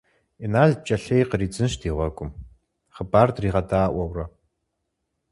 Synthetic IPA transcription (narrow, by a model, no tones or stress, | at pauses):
inaːɮ̚t͡ʃʼɐɬejqəriːd͡zɨnʃdiːʁʷɐɡʷʼʊm | χəbaːrdriːʁɐdaːʔʷɐwrɐ